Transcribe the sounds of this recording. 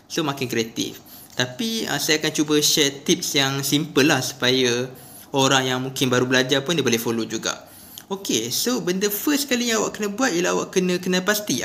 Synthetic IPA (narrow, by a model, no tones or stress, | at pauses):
somakɪnkɾiat̪ḭf | t̪apiə̰sajakant͡ʃubəʃɛt̪ip̚sjaŋsimpəlːahsu̥paja | oɾaŋjaŋmũŋkɪnbaɾubəlad͡ʒapʊndibolehfolod͡ʒuɡa̰ʔ | okesobəndəfəskalijãŋawaʔkənə̃buat̪̚jilaawaʔkənə̃kənəpast̪i